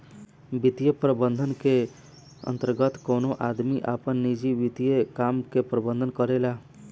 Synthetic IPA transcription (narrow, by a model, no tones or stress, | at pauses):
bɪt̪ijepɾəbə̃nd̪ʱənke | ə̰̃nt̪əɾɡət̪kɔːnoʔaːd̪miʔaːpənːid͡ʒiʋɪt̪ijekaːmkepɾəbə̃nd̪ʱənkəɾelaː